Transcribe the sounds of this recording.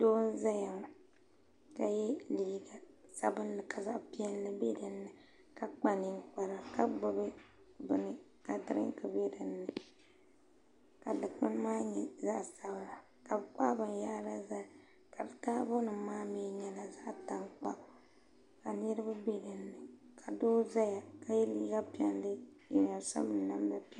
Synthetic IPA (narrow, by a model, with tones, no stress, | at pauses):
doː˦n̩˦za˦ja˨ŋ | ka˨jɛ˦liː˨˦ɡa˨ | sa˦bɨ˦n˦lɨ˨ka˨za˦ʔpi˦ɛ˦nːɨ˦be˦dɨ˨nːɨ˨ | ka˨k͡pa˨ni˨ŋ˦k͡pa˨ɾa˨ka˦bɨ˦bɨ˦ | bɨ˨nɨ˨ | ka˨dɨ˨ɾɨ̰˦ŋkɨ˨be˦dɨ˨nːɨ˨ | ka˨dɨ˨k͡pɨ˦n˦maː˦ɲɛ˨za˦˨sa˦bla˨ | ka˨bɨ˨k͡pa˦bɨ˨n˨ja˦ɾa˦za˦˨ | ka˨bɨ˨taː˦bo˦nɨ˨maː˦me˨˦ɲɛ˦la˨za˦˨ta˨ŋk͡pa̰˦˨ | ka˨nɨ˦ɾɨ˦bɨ˦be˦dɨ˨nːɨ˨kʰa˨do˦za˦ja˨ka˨jɛ˦liː˦ɡa˦pi˦ɛ˦nlɨ˦jɛ̰˨ɲa˨sa̰˦mɨ˦n˦na˦mba˦pi˦